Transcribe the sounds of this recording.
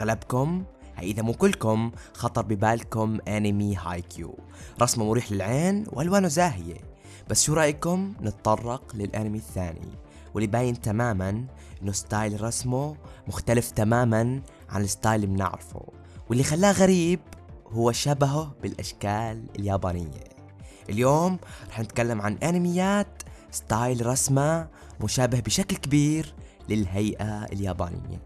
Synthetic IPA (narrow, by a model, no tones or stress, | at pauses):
ɣalabkʊm | ha̰ʔɪðamuːkʊlːkʊm | xɑt̪ˤɑɾˤbɪbaːlkʊmʔanɪmiɦaːjkjṵː | ɾˤɑsmumʊɾiːħlɪlʕeːnwʔalwaːnʊzaːɦɪjḛ | b̥asːʃuːɾˤɑːʔjkʊmnɨt̪t̪ˤɑrˤːɑqlɪlʔa̰nɪmiθːaːnḭ | wɪlːibaːjɪnt̪amaːman | ʔɪnːʊst̪ɑːjlɾˤɑsmumʊxt̪alɪft̪amaːman | ʕa̰nɪsˤt̪ˤɑːjlimnɪ̰ʕɾɪfṵ | wɪlːixalːaːɣaɾiːbhʊwːaʃabaɦʊbɪlʔaʃkaːlɪljaːbaːnɪjːa̰ | ʔɪljoːmɾˤɑːħnɪt̪kalːamʕanʔaːnɪmɪjːaːt̪st̪ˤɑːjlɾˤɑsma | mʊʃaːbɪhbɪʃaklkɪbiːɾ | lɪlɦajʔaɪ̰ljaːba̰ːnɪ̰jːa̰